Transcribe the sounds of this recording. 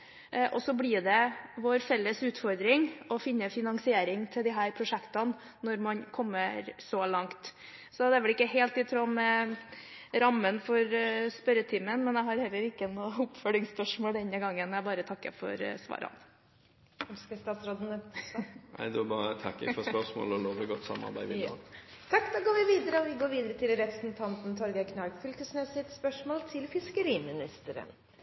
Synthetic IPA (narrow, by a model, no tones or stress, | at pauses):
ʔɔsɔblɪːɖ̪ɛʋoːɾfɛlːəsʉːt̪fɔɾd̪ɾɪŋɔfɪnːəfɪnɑŋsɪeːɾɪŋt̪ʰɪld̪ɪɦæːɾpʰɾʊʂɛkt̪ɑn | nɔɾmɑnkʰɔmːəɾsɔlɑŋt̪ | sɔd̪ɛæʋɛlɪkːəɦeːlt̪ɪt̪ʰɾuːmɛ | ɾɑmːənfɔɾspœɾət̪ʰiːmənmɛnjɛɪɦɑɾhɛlːəɾɪkːənʊʊpfœlɪŋspœʂmoːld̪ɛnəɡɑŋːənæɪbɑːɾət̪ʰɑkːə̰fɔ̰ɾsʋɑ̰ːɾɑ̰n | skəst̪ɑːt̪sɾoːd̪ənɛt̪næ̰ɪd̪ɛɑbɑːɾət̪ʰɑkːəfɔspœʂmo̰ːlɔloːʋɔɡɔt̪ːsɑ̰mːɑ̰ɾbæɪʋɪt̪ʰɑkːd̪ɑːɡoːɾʋɪʋiːd̪əɾəɔʋɪɡoːɾʋiːd̪əɾət̪ʰɪlɾɛpɾəsnt̪ʰɑnt̪n̩t̪ʰɔɾɡəɪkʰnɑlkfʏlkəsnesɪt̪spœʂmoːlt̪ʰɪlfɪskəɾiːmɪnɪst̪əɾə̰n